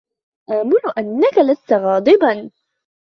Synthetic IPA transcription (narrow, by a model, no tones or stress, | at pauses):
ʔaːmʊnʊʔanːakalast̪aɣɑːd̪ˤɨbɑn